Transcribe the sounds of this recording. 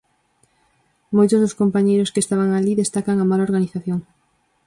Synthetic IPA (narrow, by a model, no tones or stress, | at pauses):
mojt̪ozðoskompaɲejɾoskest̪aβ̞aŋaliðest̪akaŋamalaoɾɣaniθaθjoŋ